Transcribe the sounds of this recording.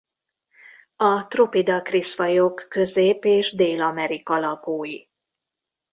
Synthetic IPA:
ɒt̪ropid̪ɒkrisfɒjokːø̞zeːpeːʒd̪eːlɒmɛɾikɒlɒɡoːji

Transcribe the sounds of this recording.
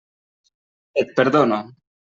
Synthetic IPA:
et̪̚peɾðono

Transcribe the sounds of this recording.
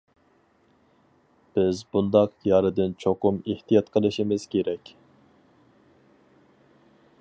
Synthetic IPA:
b̥ɪzbund̪ɑqjɑɾɨd̪ɨnt͡ʃʰoqʊmeht̪ʰijɑt̪qʰəlˠɨʃimɪz̥kʲʰeɾɛkʲ

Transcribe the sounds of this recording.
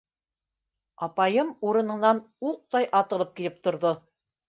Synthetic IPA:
ɑpɑjɤmuɾɤ̆nɤ̆nɑn | uq̚t̪ɑjʔɑt̪ɤ̆lˠɤp̚kilɘp̚t̪ŏɾðo

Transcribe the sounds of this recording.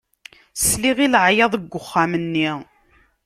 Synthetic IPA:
sliʁilʕjɑðˤəɡʷːʊχːamənːi

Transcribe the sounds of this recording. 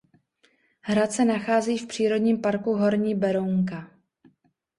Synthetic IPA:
ɦɾat̪sɛnaxaːziːfpr̥iːɾo̞dɲiːmpaɾkuɦo̞ɾɲiːbɛɾowŋka

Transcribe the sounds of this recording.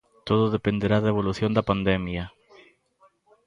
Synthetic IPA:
t̪o̞ðoðepe̞nd̪e̞ɾaðaeβo̞luθjo̞nd̪apand̪emja

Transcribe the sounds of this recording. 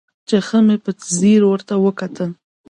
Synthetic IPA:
t͡ʃexəmepət̪ziɾwəɾt̪awəkat̪ʰəl

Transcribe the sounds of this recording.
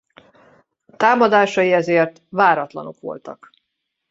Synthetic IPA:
t̪aːmɒd̪aːʃɒjiɛzeːrt̪vaːɾɒt̪lɒ̰no̞kʋo̞̰lt̪ɒk

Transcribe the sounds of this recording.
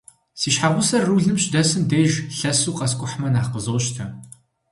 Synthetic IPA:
siːʃħaʁʷʊsɐrːuːɮɨmɕdɐsɨmdeːʒɬɐsuːqʼɐskʷʼʊħmɐnaːχqəzoːʃtʰɐ

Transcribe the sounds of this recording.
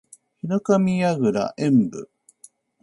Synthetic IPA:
hinɯkamʲiaɡɯ̟ɾa̰ʔẽmbɯ̟̰

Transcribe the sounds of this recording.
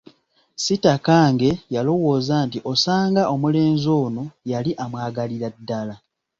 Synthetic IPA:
sitakaːŋɡe̞jalo̞wo̞ːzaːntiʔo̞saːŋɡaʔo̞mule̞ːnzoːno̞jaliʔamwaːɡaliɾadːala

